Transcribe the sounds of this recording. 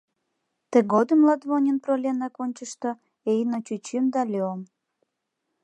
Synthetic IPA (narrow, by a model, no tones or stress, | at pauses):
t̪eɣod̪əmlɑt̪βonʲənprolʲenɑkonʲt͡ɕəʃt̪o | ejnot͡ɕyt͡ɕimd̪ɑlʲeom